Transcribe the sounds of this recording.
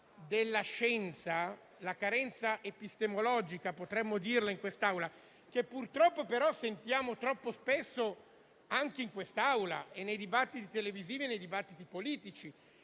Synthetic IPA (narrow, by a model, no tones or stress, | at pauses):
d̪elːaʃɛnt̪sa | lakaɾɛnt̪saʔepist̪emolɔːd͡ʒikapot̪ɾɛmːod̪irlaiŋkwest̪aawla | k̟epːurt̪ɾɔpːopeɾɔsent̪jaːmot̪ɾɔpːospesːo | aŋk̟eiŋkwest̪aawlaenːejd̪ibat̪ːit̪it̪eleviziːvienːejd̪ibat̪ːit̪ipoliːt̪it͡ʃi